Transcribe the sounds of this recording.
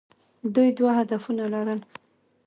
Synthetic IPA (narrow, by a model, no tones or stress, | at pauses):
d̪ujd̪wahad̪afunalaɾəl